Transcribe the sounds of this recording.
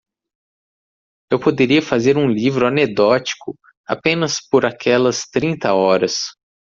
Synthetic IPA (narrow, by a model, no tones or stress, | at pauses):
ewpod̪eɾiɐfazeɾũlivɾʊaned̪ɔt͡ʃi̥kʊ | a̰pẽnɐspoɾakʰɛlɐst̪ɾĩnt̪ɐɔɾɐs